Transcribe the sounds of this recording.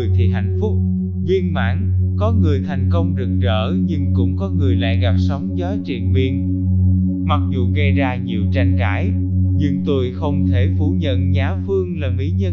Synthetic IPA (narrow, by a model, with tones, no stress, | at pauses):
əjt̪ʰi˨˩ɦa̰˧˨jŋ̟fʊ˦˥k͡p̚ | zi˧ənma̰ː˧˥nkɔ˨˦ŋɨ˨˩əjt̪ʰa˨˩jŋ̟kə˧wŋ͡mɗɨ˨˩k̚zəː˧˩ɲɨ˧ŋkʊ̰˧˥ŋ͡mkɔ˨˦ŋɨ˨˩əjla̰ː˧˨jɣa˨˩p̚sə˨˦wŋ͡mzɔ˨˦jt͡ɕḭ˧˩ənvi˧ən | ma˨˩k̚zu˨˩ɣə˧jzaː˧ɲi˨˩əwt͡ɕa˧jŋ̟kaː˧˩˦j | ɲɨ˧ŋt̪u˧jxə˧wŋ͡mt̪ʰe˧˩fu˧˩ɲə̰˧˨nɲaː˨˦fɨ˧əŋlaː˨˩mi˨˦ɲə˧